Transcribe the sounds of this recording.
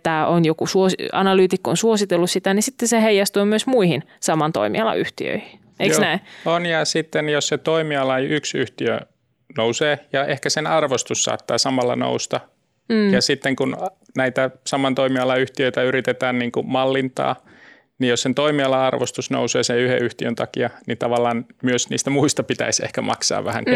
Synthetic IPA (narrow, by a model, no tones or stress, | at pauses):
t̪æːʔonjokusuosiɑ̰nɑlyːt̪ikːo̰nsuosit̪elːussit̪ænisit̪ːeseheijɑst̪uːmyøsmuihin | sɑmɑnt̪o̰imḭɑlɑ̰ʔyht̪ḭø̰ihi | eiosnæionjɑsit̪ːenjosset̪oimiɑlɑjʔyksyht̪iø̰ | nouseːjɑʔehkæsenɑrʋost̪usːɑ̰ːt̪ːɑ̰ːsɑmɑlːɑ̰no̰ust̪ɑ | jɑsit̪ːeŋkun | næit̪æsɑmɑnt̪oimiɑlɑyht̪iøit̪æyɾit̪et̪æːnniːŋkumɑlːint̪ɑ̰ː | nijjossent̪oimiɑlɑɑrʋost̪usno̰useːseyhḛyht̪iønt̪ɑkiɑnit̪ɑʋɑlːˑɑːnmyøsnḭːst̪æmuist̪ɑpit̪æ̰isḛhkæmɑ̰ksɑ̰ːʋʋæhæ̰ŋk